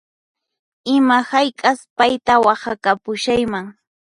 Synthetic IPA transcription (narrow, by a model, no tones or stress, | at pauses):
ɪmahajkʼaspajt̪awɑχɑkapʊʃajmaŋ